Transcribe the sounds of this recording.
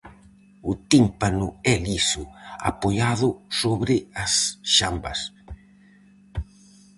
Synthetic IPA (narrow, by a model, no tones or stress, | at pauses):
ʊt̪impanʊɛlisʊa̰poʎaðʊsoβɾɪasʃambɐ̰s